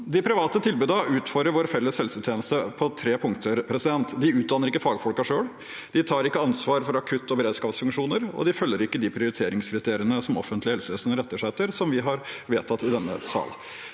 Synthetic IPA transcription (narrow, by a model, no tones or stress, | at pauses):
d̪ɪpʰɾɪʋɑːt̪ət̪ʰɪlbʉːd̪ɑʉːt̪fɔɾəɾʋoːɾfɛlːəshɛlsət̪ʰjeːnəst̪əpʰɔt̪ʰɾeːpʰʊŋt̪ʰəɾpʰɾɛsɪd̪ɛnt̪d̪ɪʉːt̪̚d̪ɑːnəɾɪkːəfɑːɡfɔlkɑʂøːɽ | d̪̥ɪt̪ʰɑːɾɪkːəɑnsʋɑːɾfɔɾɑkʰʉt̪ːɔbəɾeːd̪skɑːpsfʉŋkʂuːnəɾɔ̰d̪ɪfœlːəɾɪkːəd̪ɪpʰɾɪʊɾɪt̪ʰeːɾɪŋskʰɾɪt̪ʰeːɾɪənəsɔmɔ̰fːənt̪lɪhɛlsəʋeːsənəɾɛt̪ːəʂɛt̪ːəɾsɔmʋɪɦɑɾʋeːt̪ʰɑt̪ːɪd̪ɛnːə̰sɑ̰ːl